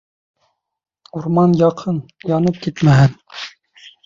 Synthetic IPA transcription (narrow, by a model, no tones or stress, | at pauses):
uɾmɑnjɑqʰɤnjɑnɨp̚kʲet̪mæɦæn